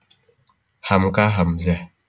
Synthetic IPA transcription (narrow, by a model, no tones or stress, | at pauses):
hamkaɦamzɛ